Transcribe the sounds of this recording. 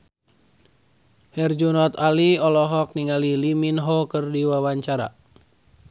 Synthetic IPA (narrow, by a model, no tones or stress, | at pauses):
hɛrd͡ʒunɔt̪aliɔlɔɦɔk̚niŋaliliminɦɔkɨrdiwawaɲt͡ʃaɾa̰